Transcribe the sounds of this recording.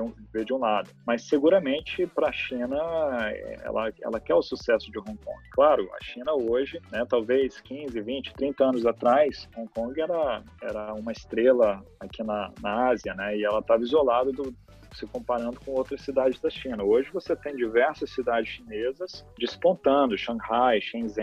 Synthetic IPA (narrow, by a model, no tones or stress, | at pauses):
d͡ʒũved͡ʒɪũlad̪ʊmɐsːeɡuɾɐmẽnt͡ʃɪpɾɐʃĩnɐɛɛ̰lɐɛ̰lɐkɛʊsusɛsʊd͡ʒɪɦõkõ̰ɡɪklaɾʊɐ̰ʃĩnɐoʒɪnɛt̪awvejskĩzɪvĩt͡ʃɪ̥t̪ɾĩnt̪ɐɐ̃nʊzat̪ɾajshõkõɡɪɛɾɐ | ɛɾɐũmɐɪst̪ɾelɐakʰinɐnɐaziɐnɛɪɛlɐt̪avɐizolad̪ɐd̪ʊ | sɪkõpaɾɐ̃nd̪ʊkõowt̪ɾɐsːid̪ad͡ʒɪzd̪ɐʃĩnɐoʒɪvoset̪ẽj̃d͡ʒivɛɾsɐsːid̪ad͡ʒɪsʃinezɐsd͡ʒɪspõnt̪ɐ̃nʊʃɐ̃hajʃẽzẽ